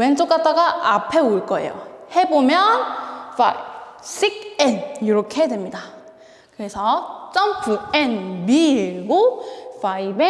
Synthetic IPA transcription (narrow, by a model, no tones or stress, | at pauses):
went͡ɕok͈at͈aɡaapʰe̞oɭk͈ʌe̞̰jo̰he̞bomjʌnfʰa̰ibsʰik̚eniɾʌkʰe̞dwe̞mɲida | kɯɾe̞sʰʌt͡ɕ͈ʌmpʰuenbiiɭɡofʰaibe